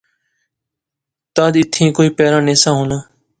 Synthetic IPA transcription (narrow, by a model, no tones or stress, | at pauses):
t̪aːd̪ɪt̪ʰĩːkoːiːpɛːɾãːnẽːsãːɦoːnãː